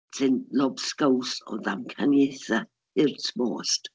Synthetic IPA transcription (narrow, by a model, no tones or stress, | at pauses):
tʰɪnlɔbskowsɔ̰ðamkʰanjeθa | ɪrtʰmo̰ːst